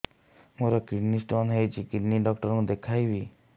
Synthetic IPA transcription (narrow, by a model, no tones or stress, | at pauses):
moɾɔkɾinisʈmɔnɦejt͡ʃʰikiʈniɖɔk̚ʈɔɾŋd̪ekʰajbi